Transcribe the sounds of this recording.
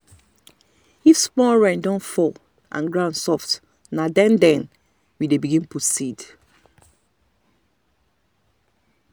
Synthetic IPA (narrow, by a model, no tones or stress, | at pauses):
hispɔɹãɪ̃ndɔ̃nfɔl | ʔã̰nɡɹãnsɔft | nadɛ̃ndɛ̃n | widebiɡĩnpɹosid